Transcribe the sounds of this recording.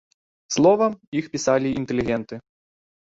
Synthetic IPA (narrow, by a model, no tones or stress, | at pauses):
slˠɔvɐmixpʲisalʲiint̪ɛlʲiɣʲɛnt̪ɨ